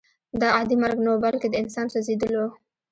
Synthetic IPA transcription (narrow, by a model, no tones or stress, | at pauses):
d̪əad̪imaɾɡnawbalked̪əɪnsɑnsazid̪əlo